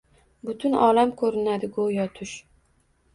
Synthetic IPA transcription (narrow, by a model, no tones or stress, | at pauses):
bʊt̪ʰʊnɒlamkʰɵɾɪnad̪ɪɡojɒt̪ʰʊʃ